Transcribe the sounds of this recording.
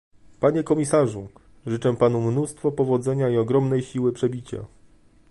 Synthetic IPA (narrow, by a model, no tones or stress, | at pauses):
paɲekɔmʲisaʐu | ʐɘt͡ʂɛpan̪umnust̪fɔpɔvɔd̪zɛɲaiɔɡɾɔmnɛjɕiwɘpʂɛbʲit͡ɕa̰